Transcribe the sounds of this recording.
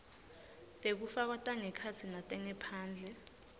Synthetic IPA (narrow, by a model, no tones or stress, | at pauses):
tʼek̬ufak̬atʼaŋɛkʰat͡sʰinatʼɛŋɛpʰaːnd͡ɮʱɛ